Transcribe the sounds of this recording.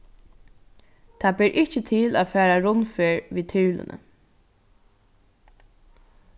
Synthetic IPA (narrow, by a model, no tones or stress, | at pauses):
t̪ʰaːbɪɾʔɪht͡ʃət̪ʰɪlaːfæːɾaɾʊnfeːɹʋiːt̪ʰɪːlə̰nə̰